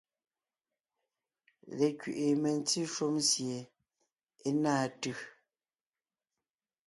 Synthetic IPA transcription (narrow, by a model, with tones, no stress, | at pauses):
lɛ˨kɥḭ˨ʔi˨mɛ˨n̩˦t͡si˦ʃu˦msje˨ | e˦naː˦˨tʉ˨